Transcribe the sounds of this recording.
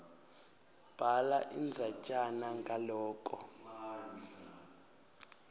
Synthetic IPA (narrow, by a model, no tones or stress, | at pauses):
b̥ʱalaʔind͡zʱat͡ʃʼanaŋɡʱalɔːkʼɔ